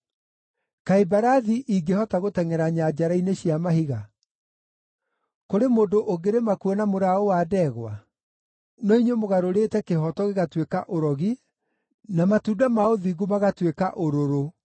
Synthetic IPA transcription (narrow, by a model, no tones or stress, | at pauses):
kaibaɾaðiʔiɡehɔtaɣotɛŋɛɾaɲad͡ʑaɾaineɕiamahiɣa | koɾemoːdoʔoɡeɾemakuɛnamoɾaowadɛɣwa̰ | nɔiɲwemoɣaɾoɾeːtɛkeɦɔtɔɣeɣatwekaʔoɾɔɣi | namatuːdamaoðiɡumaɣatwekaʔoɾoɾo